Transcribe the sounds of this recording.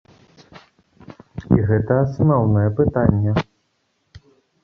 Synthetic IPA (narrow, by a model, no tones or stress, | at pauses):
ḭɣɛt̪ɐːsnɔwnɐjɛpɨt̪anʲːɛ